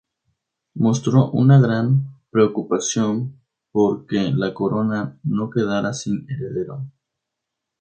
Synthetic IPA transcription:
mo̞st̪ɾo̞ʔṵnaɣɾampɾeokupasjo̞m | po̞ɾkelako̞ɾo̞nano̞ke̞ðaɾasine̞ɾe̞ðe̞ɾo̞̰

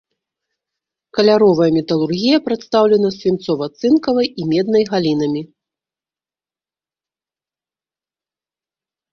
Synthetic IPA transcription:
kɐlʲaɾɔvɐjɐmʲɛt̪ɐlˠurɣʲijɐpɾat̪st̪awlʲɛnɐsʲvʲint̪sɔvɐt̪sɨnkɐvɐjimʲɛd̪nɐjɣalʲin̪ɐmʲi

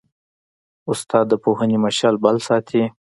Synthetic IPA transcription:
ʊst̪ɑd̪ːəpoɦənemaʃɑlbalsɑt̪ʰi

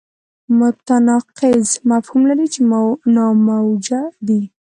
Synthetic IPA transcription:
mʊt̪anɑqɪzmafhumlaɾit͡ʃenɑmawd͡ʒad̪i

